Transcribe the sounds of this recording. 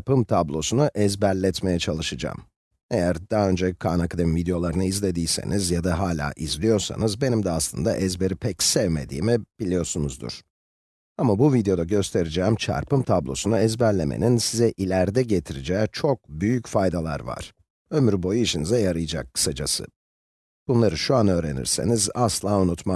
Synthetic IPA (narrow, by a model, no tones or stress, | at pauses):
pɯmt̪ʰablˠo̞sunuʔɛzbælʲːɛt̪me̞jɛt͡ʃʰalˠɯʃɯd͡ʒa̰ːm | e̞jæɾd̪aɦø̞nd͡ʒɛkʰaːnakd̪ɯnvid̪ejo̞lˠaɾɯnɯizlʲe̞d̪iːsḛnizjad̪aɦaːlʲa̰ːʔizlʲijo̞ɾsa̰nɯzbe̞nimd̪ɛaslˠɯ̰nd̪a̰ʔɛzbe̞ɾipʰɛcsɛvme̞d̪ḭːmib̥ilʲijo̞sunuzd̪ṵɾ̥ | amabuvid̪ejo̞d̪aɟø̞st̪ʰe̞ɾid͡ʒɛːmt͡ʃʰa̰ɾpɯmt̪ʰablˠo̞̰sunaɛzbæɾlʲe̞mʔḛninsizɛʔilʲæɾd̪ɛɟe̞t̪ʰiɾid͡ʒɛːt͡ʃʰo̞k̚byjycfajd̪alˠa̰ɾva̰ɾ̥ | ø̞myɾbo̞juiʃinizɛjaɾɯjɯd͡ʒa̰kʰːɯ̥sad͡ʒasɯ̰ | b̥unlˠaɾɯʃuanø̞ːɾe̞̰nḭɾse̞̰nizaslˠaːunut̪ma